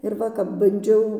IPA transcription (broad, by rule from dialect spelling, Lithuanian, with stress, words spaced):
ɪr ˈʋɐ kɐp bɐnʲˈd͡ʒʲɛʊ